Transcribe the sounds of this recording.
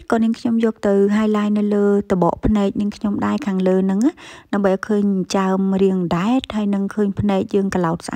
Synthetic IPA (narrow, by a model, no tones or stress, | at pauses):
kɑːniəŋkʰɲomjɔːk̚t̪ɨwɦaəjlaːjnɨwləːt̪oɓɑ̰ːʔpʰnaɛk̚niəŋkʰɲomɗaɛkʰaːŋləːnɨŋaːɗaəmɓəjʔaɔjkʰəːɲt͡ɕaəmriəŋɗaɛt̪̚haəjnɨŋkʰəːɲpʰnaɛk̚jəːŋkəlaɔt̪̚sʔa̰